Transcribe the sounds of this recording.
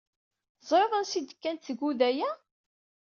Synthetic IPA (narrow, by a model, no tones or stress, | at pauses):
zˤɾəðˤənsid̪əkːænt̪θɡuðæjæ